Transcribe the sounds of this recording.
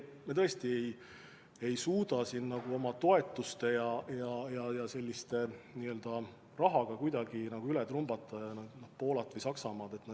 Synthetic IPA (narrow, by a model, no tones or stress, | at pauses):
met̪ɤ̞e̞st̪ie̞j | e̞jsuːd̪ɑsinːɑɡ̥uo̞mɑt̪o̞e̞t̪ːˑust̪e̞jɑjɑjɑjɑse̞lʲːist̪e̞niø̞ld̪̥ɑ | rɑɦɑɡ̥ɑkujd̪̥ɑɡ̥inɑɡ̥uylɛt̪rumb̥ɑt̪ːˑɑjɑnɑnɑ̥po̞ːlɑt̪vəjsɑksɑmɑːd̪̥e̞t̪ːnɑ